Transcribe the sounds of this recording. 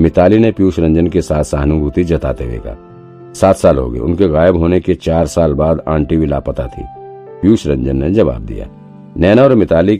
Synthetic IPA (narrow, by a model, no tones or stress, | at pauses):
mɪt̪aːlinepjuːʃɾɐ̃ɲd͡ʒənkesaːt̪ʰsaɦnubut̪id͡ʒɐt̪a̰ːt̪eʋḛːɡa̰ː | saːt̪ʰsaːlɦo̰ːɡə̰ḛʊ̰nkeɣaːjəbɦoːneket͡ʃaːɾsaːlbaːd̪ãːɳʈiʋila̰ːpət̪a̰t̪ʰḭː | pjuːʃɾɐ̃ɲd͡ʒənːed͡ʒɐʋa̰ːb̚d̪ḭja̰ː | nɛːnaɔːɾmɪt̪aːli